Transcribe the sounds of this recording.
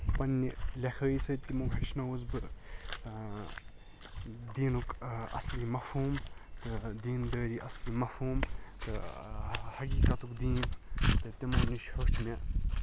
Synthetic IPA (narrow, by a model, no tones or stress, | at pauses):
pɐnːilʲɐkʰɐːisɐt̪ːimubʰɐɾt͡ʃʰnɐwuzbɨ | d̪iːnukɐ̰slimɐfhuːmt̪ɨd̪iːnd̪əːɾiːʔɐslimɐfhuːmt̪ɨ | hɐkiːkɐt̪ukd̪iːnt̪ɨt̪ʲimɐɾniʃhɐt͡ʃʰune